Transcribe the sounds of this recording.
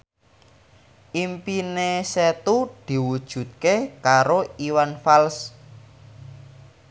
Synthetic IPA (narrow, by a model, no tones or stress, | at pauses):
ʔimpineset̪ud̪̥i̤wud̥ʒ̥ṳt̪̚kekaɾoiwanfals